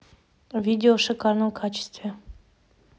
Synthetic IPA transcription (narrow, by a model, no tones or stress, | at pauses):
vʲidʲɪoʂɨkɑɾnəmkʰat͡ɕɪ̥st̪vʲe